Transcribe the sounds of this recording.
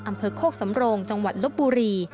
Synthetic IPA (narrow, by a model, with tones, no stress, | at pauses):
ʔa˧mpʰɤː˧kʰoː˥˩k̚sa˩˦mɾoː˧ŋt͡ɕa˧ŋwa˨˩t̪̚lo˦˥p̚buː˧ɾiː˧